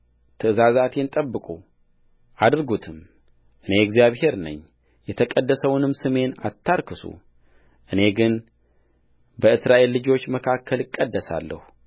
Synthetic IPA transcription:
t̪ʰɨɨzazat̪ʰent̪ʼəbːɨkʼu | ʔad̪ɾɡut̪ʰɨm | ʔɨne̞ɛɡzijaβhe̞ɾnə̰ɲː | jɛt̪ʰəkʼəd̪ːəsəwnɨmsɨme̞na̰t̪ːaɾkʰɨsṵ | ʔɨne̞ɡɨn | bəɨsɾaʔe̞lːɨd͡ʒo̞t͡ʃːməkʰakʰːəlɨkʼːəd̪ːəsa̰lːə̰hu

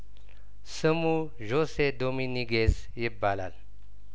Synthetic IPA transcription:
səmu | ʑosed̪ominiɡes | jebala̰l

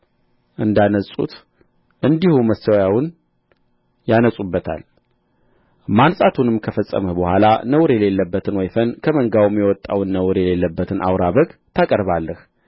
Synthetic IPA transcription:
ʔɨnd̪anəsʼṵt̪ | ʔɨnd̪ihuməst̪əwjawʊn | janəsʼubːət̪ʰa̰l | mansʼat̪ʰunɨmkʰəfəsʼːə̰məbəhʷalanəwɾjɛle̞lːəbːət̪ʰɨnwɔjfənkʰəməŋɡawmjɛwɔt̪ʼːawnːəwɾjɛle̞lːəbːət̪ʰɨnʔa̰wɾaβəɡt̪ʰakʼəɾβalːəh

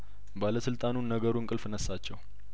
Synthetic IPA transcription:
baləsɨlt̪ʼanunːəɡəɾuŋkʼɨlfɨnəsːat͡ʃːɛw

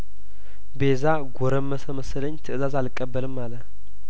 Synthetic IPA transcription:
beza | ɡʷɔɾəmːəsəməsləɲːt̪ʰɨʔɨzazalkʼːəbːəlɨmːalə

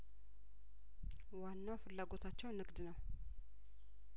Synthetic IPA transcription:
wanːawfɨlːaɡo̞t̪ʰat͡ʃːɛwnɨɡd̪nəw

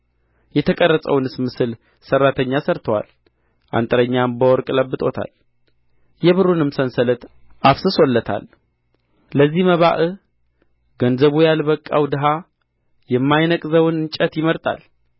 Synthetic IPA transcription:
jɛt̪ʰəkʼərːəsʼə̰wnɨsmɨsɨl | sərːat̪ʰəɲːasəɾt̪ʰəwa̰l | ʔa̰nt̪ʼəɾəɲːambəwɔɾkʼləbːɨt̪ʼo̞t̪ʰa̰l | jɛβɨɾunɨmsənsələt̪ | ʔafsɨswɔlːət̪ʰa̰lː | əzːihməβaʔɨ | ɡənzəβujalbəkʼːa̰wd̪ɨɦa | jɛmːajnəkʼzəwnɨnt͡ʃʼət̪jɪməɾt̪ʼa̰l

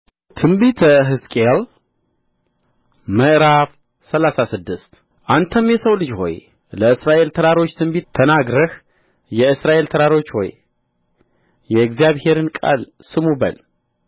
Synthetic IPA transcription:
t̪ʰɨmbit̪ʰɦɨskʼeal | məʔɾaf | səlasasɨd̪ːɨst̪ | ʔant̪ʰəmjɛsəwlɨd͡ʒho̞̰j | ləɨsɾaʔe̞lt̪ʰəɾaɾo̞t͡ʃːt̪ʰɨmbit̪ʰːənaɡɾəh | jɛɨsɾaʔe̞lt̪ʰəɾaɾo̞t͡ʃːho̞̰j | jɛɛɡzjaβhe̞ɾɨnkʼa̰l | sɨmubə̰l

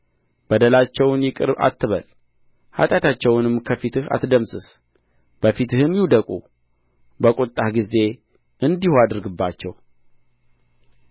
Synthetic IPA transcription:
b̥əd̪əlat͡ʃːɛwnjɪkʼɨ̰ɾba̰t̪ʰːɨβəl | ha̰t̪ʼjat̪ʰat͡ʃːɛwnɨmːkʰəfit̪ʰɨha̰t̪d̪əmsɨs | b̥əfit̪ʰɨhɨmjuwd̪əkʼṵ | bəkʼot̪ʼːahɡize̞ | ʔɨnd̪ihoad̪ɨɾɡɨbːat͡ʃːɛw

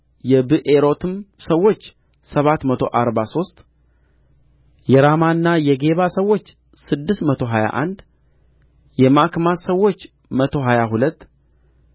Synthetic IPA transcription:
jɛbɨʔeɾo̞t̪ʰɨmsəwːo̞t͡ʃː | səβat̪mət̪ʰo̞ʔaɾbaso̞st̪ | jɛɾamanːajɛɡe̞βasəwːo̞t͡ʃː | sɨd̪ːɨst̪mət̪ʰo̞ɦaja̰ʔa̰nd̪ | jɛmakmasəwːo̞t͡ʃː | mət̪ʰo̞ɦajaɦulət̪ː

